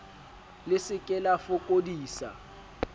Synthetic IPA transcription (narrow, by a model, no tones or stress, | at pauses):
lɪsɪkʼɛlafʊkʼodiːsa̰